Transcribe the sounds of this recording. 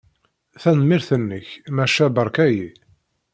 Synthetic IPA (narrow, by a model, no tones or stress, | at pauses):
θænmɪɾθənːəçmæʃæbəɾˤkæji